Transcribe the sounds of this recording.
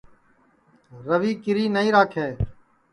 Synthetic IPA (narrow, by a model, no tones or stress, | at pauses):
ɾəʋiːkɪɾiːnəiːɾaːkʰeː